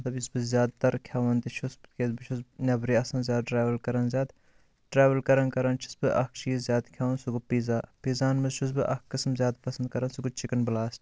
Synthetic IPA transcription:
ɐt̪lɐbisbɨzjaːd̪̚t̪ɐɾkʲʰjaːʋɐnt̪iʃʰusbt̪ʰkʲezbɨt͡ʃʰusnʲɐbɾiːɐsɐːnzjaːd̪̚ɖɾaːʋɐlkɐɾɐnzʲjaːd̪ | ʈɾaːʋɐlkɐɾɐnkɐɾɐnt͡ʃʰi̥sbɨʔɐ̰k̚ʰt͡ʃiːzzʲjaːd̪kʰʲaːʋɐnsuɡupiːzaːpizaːnmɐzʃʰus̬bɨʔɐ̰kkːɐsmzʲjaːd̪pɐsɐnd̪̚kɐɾɐnsuɡut͡ʃikɐnblaːst

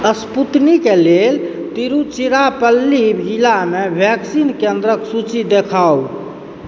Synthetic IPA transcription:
əsput̪nikelel | t̪iɾut͡ʃiɾapəlːibd͡ʒilamebʱjɛksinkend̪ɾəksut͡ʃid̪ekʰaw

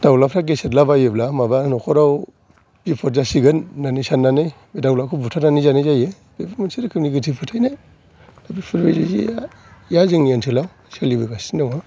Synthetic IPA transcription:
dawlapʰɾaɡ̬esetlabajeblamabanɔkʰɔɾaw | pipʰɔɾ̚zasiɡɯnːanisanːanɯj | medawlakʰubutʰananizanajzaje | bebimansiɾakʰɯniɡɯtʰipʰɯtʰajnaj | dabipʰɯɾbejzizḭ | jazɯŋnientʰilaw | selibɯɡasindawa

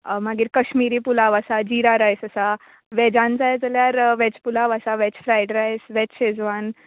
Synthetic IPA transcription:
maɡiːɾkəɕmiɾiːpulaʋasad͡ʑiɾaɾajsəsa | ʋɛd͡ʑãnt͡sajd͡zəljaɾʋɛt͡ɕpulaʋasaʋɛt͡ɕfɾajɖɾajsʋɛt͡ɕɕed͡zʋan

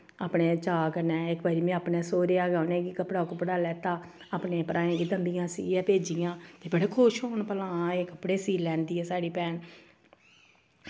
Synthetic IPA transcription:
aːpɳeːt͡ʃaːkəɾnɛːɪkbaːɾiːmɛ̃ːaːpnɛːsoːɾeːaːɡaːnẽːkikəpɽaːkopəɽaːlɛːt̪aː | aːpneːpəɾʔaːẽːɡid̪əmbijãːsḭɛːpeːd͡ʒijãːt̪eːbəɽeːkʰʊʃɦoːnpəlãːeːkəpɽeːsiːlɛ̃ːnd̪iːɛːsaːɽiːpɛːn

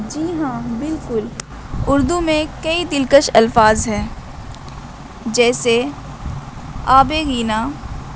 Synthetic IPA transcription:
d͡ʒiːɦãːbɪlkʊl | ʊɾd̪umẽkɐid̪ɪlkəʃɐlfaːzɦɛː | d͡ʒɛːse | aːbeːɣiːnaː

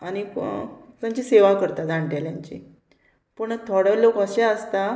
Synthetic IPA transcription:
ani | t̪ãɲt͡ɕiseʋakəɾt̪ad͡zaɳʈjaljaɲt͡ɕḭ | puɳət̪ʰɔɽəlokəɕaəst̪a

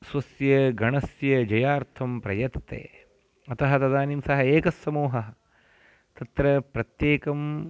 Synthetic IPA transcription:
sʋɐsjɐɡɐɳɐsjɐd͡ʒɐjaːɾt̪ʰɐmpɾɐ̰jɐt̪t̪ḛː | ɐt̪ɐɦɐt̪ɐd̪aːnimsɐɦɐeːkɐsːɐmuːɦɐɐ | t̪ɐt̪ɾɐpɾɐt̪jeːkɐm

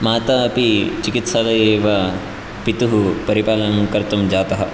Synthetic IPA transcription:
maːt̪ɐɐpit͡ʃikit̪salɐjeːʋɐ | pit̪uɦupɐɾipaːlɐŋkɐɾt̪umd͡ʒaːt̪ɐɦɐ̰

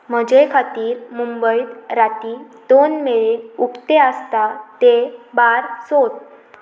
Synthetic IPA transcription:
m̤əd͡ʑekʰat̪iːɾmumbəit̪ɾat̪i | d̪̥onmeɭeukt̪eəst̪at̪ebaɾsot̪

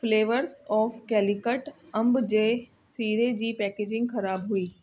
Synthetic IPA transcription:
fleːʋəɾsɔːfkɛːlɪkəʈɐ̃mbd͡ʑeː | siːɾed͡ʑiːpɛːkeːd͡ʒɪ̃ŋɡxɐɾaːbɦʊiː

